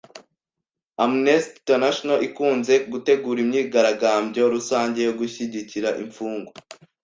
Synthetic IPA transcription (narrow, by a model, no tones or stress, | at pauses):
amnesttenaʃonaʔikuːnze̞ɡute̞ɡuːɾimɲiːɡaɾaɡaːmbɟoɾusaːɲɟe̞joɡuçiɟiciɾaʔḭɱfuːŋɡo